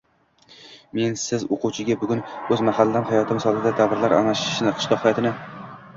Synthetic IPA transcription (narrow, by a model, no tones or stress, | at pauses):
me̞nsɪzoqʊwt͡ʃʰɪɡʲabʊɡʲʊnɵzmahalːamhajɒt̪ʰɪmsɒlˠɪd̪ad̪ʰavɪɾlaɾʔa̰naʃɪ̥ʃnɪqʰɨ̥ʃlˠɒqhajɒt̪ʰɪnɪ